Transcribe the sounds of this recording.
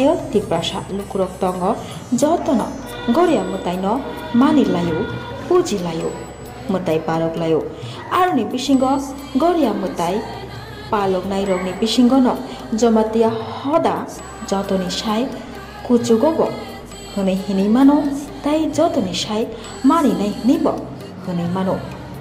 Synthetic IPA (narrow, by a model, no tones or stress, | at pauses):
jʌt̪iprasa̰lukuɾɔk̚t̪ɔŋɡʌ | d͡zʌt̪ɔnʌ̰ | ɡɔɾjamut̪ajnʌ | manilajo | pud͡zilajo | mut̪ajpaloklajo | aɾunibisiŋɡʌ | ɡʌɾjamut̪aj | palɔknajɾɔɡnipisiŋɡɔnɔ | d͡zʌmat̪ijahɔd̪a | d͡zɔt̪onisaj | kut͡suɡɔbɔ̰ | hunejɦinimanot̪ajd͡zɔt̪onisaj | maninajɦinibʌ̰ | hunijmanõ